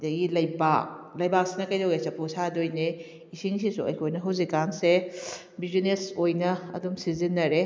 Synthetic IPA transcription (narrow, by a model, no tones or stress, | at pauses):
dɐɡilɐjbak̚lɐjbak̚sinɐkɐjdowɡesɐpʰusadojne | isiŋsisṵɐ̰jkʰojnɐɦɐwzikːanse | bizinesojnɐɐ̰dumsizinːɐɾe